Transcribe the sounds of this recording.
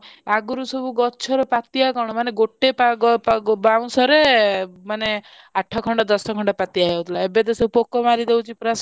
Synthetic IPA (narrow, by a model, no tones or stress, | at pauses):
aɡuɾusobuɡɔt͡ʃʰɔɾepat̪iakɔɽ̃ɔmaneɡoʈːepaɡpbaw̃sɔɾemane | aʈʰːɔkʰɔɳɖɔd̪ɔsɔkʰɔɳɖɔpat̪iaɦewt̪ʰilaebed̪esɔpokɔmaɾid̪ewt͡ʃʰipɾas